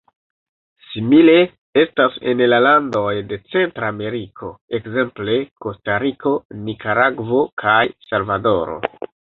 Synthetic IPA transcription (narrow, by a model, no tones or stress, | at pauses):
simile̞ | e̞stase̞̰nlalando̞jde̞t͡se̞ntɾame̞ɾikʰo̞ekze̞mple̞ko̞staɾiko̞nikaɾaɡvo̞kʰajsalvado̞ɾo̰